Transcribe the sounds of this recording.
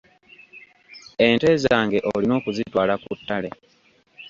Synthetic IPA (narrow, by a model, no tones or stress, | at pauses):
ente̞ːzaːŋɡe̞ʔolino̞ːkuzitwaːlakutːale̞